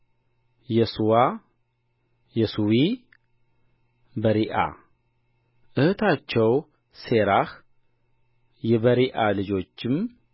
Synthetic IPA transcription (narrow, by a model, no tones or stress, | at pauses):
jɛsuwa | jɛsuwi | bəɾiʔa̰ | ʔɨhɨt̪ʰat͡ʃːɛw | se̞ɾax | jɛbəɾiʔalɨd͡ʒo̞t͡ʃːɪm